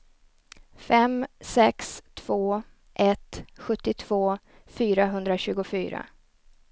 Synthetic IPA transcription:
fɛmsɛkst̪ʰv̥oː | ʔɛt̪ɧɵt̪ːɪt̪ʰv̥oː | fyːɾaɦɵnd̪ɾaɕʉ̟ːɡʊfyːɾa̰

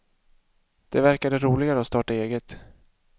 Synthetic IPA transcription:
d̪̥ɛvæɾkad̪əɾuːlɪɡaɾəɔst̪ɑːʈaeːɡət̪

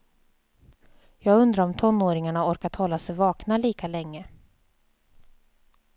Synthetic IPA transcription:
jɑːɡɵnd̪ɾaɾɔmt̪ʰɔnːoːɾɪŋaɳaɔɾkat̪hɔlːasɛjvɑːknaliːkalɛŋːə

